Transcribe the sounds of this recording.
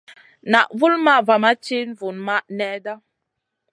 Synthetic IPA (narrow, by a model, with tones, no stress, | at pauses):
na˨ʔvu˦lma˦˨va˨ma˦t͡ʃi˦n˦vu˨nma˦ʔnɛ˦da˦